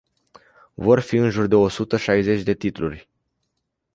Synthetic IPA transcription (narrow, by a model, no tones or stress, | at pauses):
vo̞rfiɨnʒurd̪e̞o̞sut̪əʃajze̞t͡ʃʲd̪e̞t̪it̪lṵrʲ